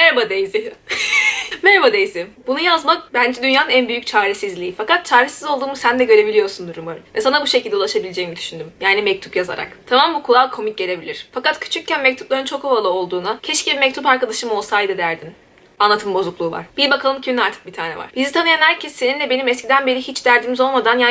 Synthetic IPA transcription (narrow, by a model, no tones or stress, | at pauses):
mɛɾbad̪ejizɪ | mɛɾbad̪ejizɪbunujazmak̚bænd͡ʒɛd̪ynjaːnɯnænbyjyc̚t͡ʃʰaːɾesizlʲiːfakat̪̚t͡ʃʰaːɾesizo̞lˠd̪uːmusænd̪ɛɟø̞ɾe̞bilʲijo̞ɾsund̪uɾumaɾɯmvɛsanabuʃecʰilʲd̪ɛulˠaʃabilʲed͡ʒejimid̪yʃynd̪ymjaːnimɛc̚t̪ʰu̥pjaza̰ɾa̰kt̪ʰamambukʰulˠalˠkʰo̞mic̚ɟe̞lʲe̞bilʲiɾ̥fakat̪cʰy̥t͡ʃʰyccːænmɛc̚t̪ʰu̥plˠaɾɯnt͡ʃʰo̞kovalˠɯo̞lˠd̪uːnacʰɛʃcibimɛc̚t̪ʰupaɾkad̪aʃɯmo̞lˠsajd̪ɯd̪æɾd̪in | anlˠat̪ʰɯmbo̞zuklˠuːva̰ɾ̥b̥iɾbakʰalˠɯmcʰiminaɾt̪ʰɯ̥k̚bit̪ʰaːnɛ̰va̰ɾ̥bizit̪ʰanɯjanhæɾcʰɛsːenind̪ʲɛbe̞nimɛscʰid̪ænbe̞ɾihit͡ʃd̪æɾd̪imizo̞lˠmad̪anja